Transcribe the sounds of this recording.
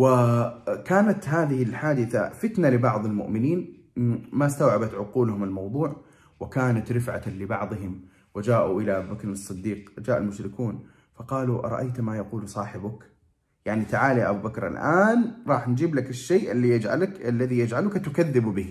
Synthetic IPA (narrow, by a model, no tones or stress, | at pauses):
wakaːnat̪ɦaːðɪhɪlħaːd̪ɪθa̰fɪt̪nalɪbɑʕðˤalmʊ̰ʔmɪniːn | mast̪awʕabat̪ʕʊquːlʊhʊmɪlmɑwðˤuːʕ | wɪkaːnat̪ɾɪfʕa̰lɪbɑʕðˤɨɦɪm | wɪd͡ʒaːʔuʔɪlaʔabubakɾnɑsˤːɨd̪ːiːqd͡ʒaːʔalmʊʃɾɪkuːn | fɑqɑːluʔɾˤɑ̰ʔajt̪majaquːlsˤɑːħɪbʊk | jaʕnit̪aʕaːljaʔabuːbakɾa̰lʔaːnɾˤɑːħnd͡ʒiːblakɪʃːeːʔɪlːijad͡ʒʕalalːaðijad͡ʒʕalʊkat̪ʊkaðːɪbbɪː